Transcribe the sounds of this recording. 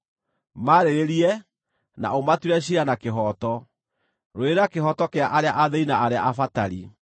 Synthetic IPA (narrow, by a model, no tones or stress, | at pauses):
maːɾeɾeɾiɛ | na̰omatuɾɛɕ̬ianakeɦɔtɔ | ɾoeɾakeɦɔtɔkeaʔaɾeaʔaðɛinaʔaɾeaʔafataɾi